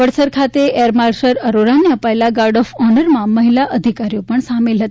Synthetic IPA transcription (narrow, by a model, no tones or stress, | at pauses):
ʋəɽsəɾkʰat̪eʔeɾmaɾsəɾəɾoɾaneəpaelaɡaɾɖɔfɔnəɾmãməɦilaʔəd̪ʱikaɾijopəɳsamelɦət̪